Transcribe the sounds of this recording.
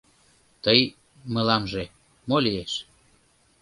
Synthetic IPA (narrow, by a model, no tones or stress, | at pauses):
t̪əj | məlɑmʒe | molieʃ